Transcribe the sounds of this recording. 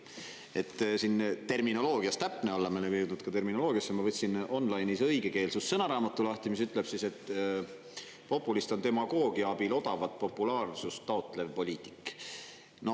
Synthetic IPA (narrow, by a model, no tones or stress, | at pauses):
e̞t̪ːˑsint̪e̞rmino̞lo̞ːɡ̥iɑst̪æpːˑneolːɑmelemjud̪nud̪̥̚kɑt̪e̞rmino̞lo̞ːɡ̥iɑsːemɑvɤt̪ʲsino̞nlɑjnisɤjɡ̥e̞ke̞ːlsusːɤnɑɾɑːmɑt̪ːˑulɑht̪imisyt̪ːˑle̞b̥sise̞t̪ː | po̞pːˑulist̪o̞nt̪e̞mɑɡo̞ːɡiɑɑbilo̞d̪̥ɑvɑt̪̚po̞pːˑulɑːrsust̪ːɑo̞t̪ːˑle̞vpo̞lʲiːt̪ˑi̥kːˑ | no̞